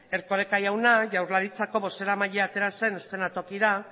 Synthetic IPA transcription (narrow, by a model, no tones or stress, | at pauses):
e̞ɾko̞ɾe̞kajawnaʝawɾlaɾit͡sako̞βo̞se̞ɾamaʎeat̪e̞ɾase̞nest̪e̞nat̪o̞kiɾa